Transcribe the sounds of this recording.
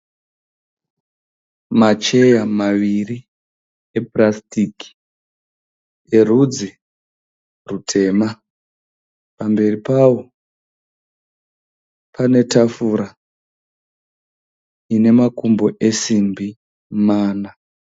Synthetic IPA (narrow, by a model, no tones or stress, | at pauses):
mat͡ʃe̞jamaʋiri | eprastiki̥ | erud͡zi | rutʰe̞ːma | pambe̞ripawo̞ | pʰane̞tafuɾa | ine̞makumbo̞ʔe̞simbi | maːna